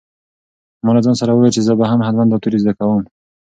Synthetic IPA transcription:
monazɑnsaɾawəwet͡ʃezəbaɦamɦad̪mand̪ɔt̪uɾizd̪akawum

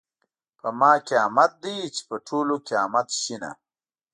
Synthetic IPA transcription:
pəmɑːkeamat̪̚d̪ijt͡ʃe̥pəʈʰolokeɑmat̪ʃina̰

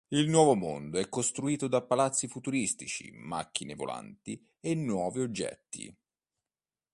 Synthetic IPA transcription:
ilnwɔːvomond̪oɛkːost̪ɾuiːt̪od̪apːalat̪sːifut̪uɾist̪it͡ʃḭma̰k̟ːinevo̰la̰nt̪i | enːwɔːviod͡ʒːɛ̰t̪ːḭ

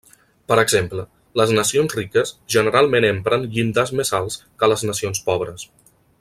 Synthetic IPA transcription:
pəɾəɡz̥emplə | ləznəsionzrikəsʒənəɾalˠmẽnempɾənʎind̪əzmezalˠskələznəsionspɔβ̞ɾəs

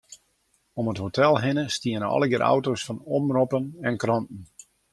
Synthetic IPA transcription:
ɔmətɦotʰɛlˠɦɪnəstiənəɔ̰ləɡɪɾʔa̰wtosfɑnɔmrɔpənɛnkrɑntn̩

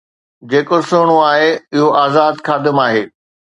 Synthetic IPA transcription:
d͡ʑeːkosʊɦɽ̃oaːɦeɪɦoʔaːzaːd̪xaːd̪ɪmaːɦeː

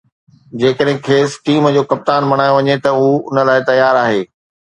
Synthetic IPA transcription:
d͡ʑeːkəɗɦɪ̃kʰeːsʈiːmd͡ʑoːkɐp̚t̪aːnmɐɽ̃aːjoʋɐɲet̪ɐuːʊnə̆laːɪt̪ɐjaːɾaːɦeː

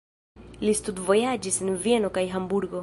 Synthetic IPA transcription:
listudvo̞jad͡ʒisenvie̞no̞kajɦambuɾɡo̞

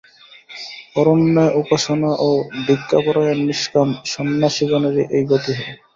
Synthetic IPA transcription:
ɔɾonːɔeʔupaʃonaʔod̪ʱikːapɔɾajanːiʃkamʃɔnːaʃiɡoneɾiʔejɡot̪iɦɔ

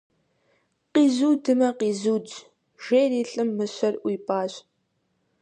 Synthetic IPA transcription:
qiːzuːdɨmɐqiːzuːd͡ʒ | ʒ̥ejɾiːɬʼɨmːɨɕʷɐrʔʷiːpʼaːɕʼ

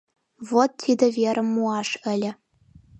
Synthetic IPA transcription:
vot̪̚tʲid̪ɘ̆vʲeɾʲɘ̆mːuɑʂɘ̆lʲɘ̆

